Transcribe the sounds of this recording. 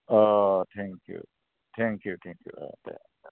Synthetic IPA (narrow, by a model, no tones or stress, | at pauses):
ot̪ʰæ̃ŋkʰjṵ | t̪ʰæ̃ŋkjut̪ʰæ̃ŋkjṵa̰d̪æ̰